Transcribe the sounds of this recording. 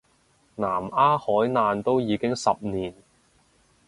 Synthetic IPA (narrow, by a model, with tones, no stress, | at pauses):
naː˨˩maː˥hɔː˨˥jnaː˧nt̪o˥wjiː˨˧˥kɪ˥ŋsɐ˨p̚niː˨˩n